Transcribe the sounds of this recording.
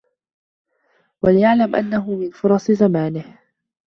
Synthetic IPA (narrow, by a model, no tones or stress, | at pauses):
walɪjaʕlamʔa̰nːaɦʊmɪnfʊɾˤɑsˤzamaːnɪh